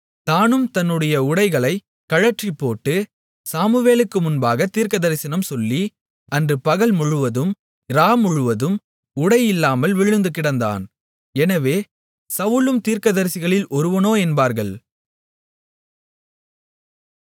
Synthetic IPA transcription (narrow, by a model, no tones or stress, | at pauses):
t̪aːnɯmt̪ɐnːɯɽɐjɐʊɽɐɪɣɐɭɐɪ | kɐɻɐʈripːoːʈːɯ | saːmɯʋeːlɯkːɯmʊnbaːɣɐt̪ːiːɾkɐðɐɾɪsɪnɐmsɔlːi | ɐndrɯpɐɣɐɭmʊɻɯʋɐðɯm | ɾaːmʊɻɯʋɐðɯm | ʊɽɐjɪlːaːmɐlʋɪɻɯnd̪ɯkːɪɽɐnd̪a̰ːn | ɛnɐʋeː | sɐʋɯlɯmt̪iːɾkɐðɐɾsɪɣɐɭɪlɔɾɯʋɐnoːɛnbaːɾɣɐɭ